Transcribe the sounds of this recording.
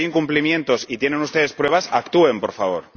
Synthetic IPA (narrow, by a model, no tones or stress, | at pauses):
iŋkumplimjẽ̞nt̪o̞sit̪je̞ne̞nust̪e̞ðe̞spɾwe̞βasakt̪ue̞mpo̞ɾfaβo̞ɾ